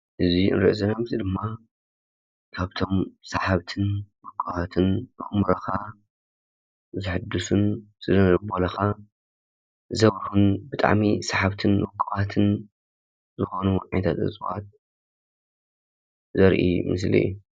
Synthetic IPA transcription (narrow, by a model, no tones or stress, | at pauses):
ʔɨziʔɨ̰nɾɨʔzɐnamzid̪ɨmːa | kʰaβt̪ʰo̞msaħaβt̪ʰɨnwɨkʰʼːɨβat̪ʰɨnbɨ̰ɣmɾɐxa | zɨħɨd̪ːusun | sɨlɐɾbolɐxa | zɐβɾhunbɨt̪ʼa̰ʕmisaħaβt̪ʰɨnwɨkʰʼːɨβat̪ʰɨn | zɨxonuʕajnt̪ʰat̪ʔɨ̰t͡sʼwat̪̚ | zɐɾʔḭmɨs̬lḭju